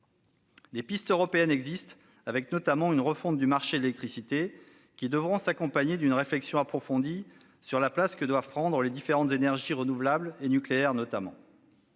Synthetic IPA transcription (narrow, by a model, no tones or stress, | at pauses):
d̪epist̪øʁɔpeɛnɛɡzist̪ | avɛknɔt̪amɑ̃ynʁəfɔ̃t̪̚d̪ymaʁʃeelɛk̚t̪χisit̪e | kʲid̪əvʁɔ̃sakɔ̃paɲed̪ynʁeflɛksjɔ̃apχɔfɔ̃d̪i | syʁlaplaskəd̪wav̥pχɑ̃d̪ʁəled̪ifeʁɑ̃t̪zenɛʁʒiʁənuvlablenykleɛʁnɔt̪amɑ̰̃